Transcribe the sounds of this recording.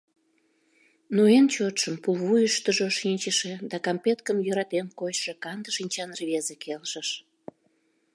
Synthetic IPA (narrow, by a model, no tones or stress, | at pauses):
noent͡ɕot̪ʃəmpulβujəʃt̪əʒoʃinʲt͡ɕəʃed̪ɑkɑmpet̪kəmjøɾɑt̪enkojʃekɑnd̪əʃinʲt͡ɕɑnərβezekʰelʃəʃ